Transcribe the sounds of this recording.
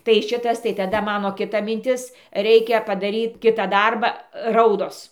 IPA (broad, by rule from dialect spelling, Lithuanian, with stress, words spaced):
tɐɪ ˈʃʲɪtɐs tɐɪ tɐˈdɐ ˈmɑːnoː kʲɪˈtɐ mʲɪnʲˈtʲɪs ˈrʲɛɪkʲɛ pɐdɐˈrʲiːt ˈkʲɪtɑː ˈdɐrbɑː ˈrɐʊdoːs